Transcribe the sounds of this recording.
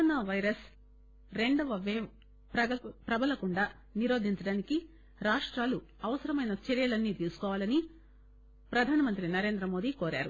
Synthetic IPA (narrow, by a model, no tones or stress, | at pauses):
naːʋɐjɾɐs | ɾe̞ɳɖɐʋɐʋeː | pɾɐɐpɾɐbɐlɐkuɳɖaː | niɾo̞ːd̪ʱiɲt͡ʃɐɽaːniki | ɾaːʂʈɾaːlu | ɐʋɐsɐɾɐmɐjnɐt͡ʃeɾijɐlɐnːiːt̪iːɾsu̥kɔːʋaːlɐni | pɾɐd̪ʱaːnɐmɐnt̪ɾinɐɾe̞ːnd̪ɾɐmo̞ːd̪iːko̞ːɾa̰ːɾu